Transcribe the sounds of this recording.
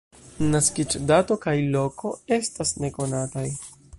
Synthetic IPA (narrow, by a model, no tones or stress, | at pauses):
naskit͡ʃdato̞kajlo̞ko̞e̞stasne̞ko̞nataj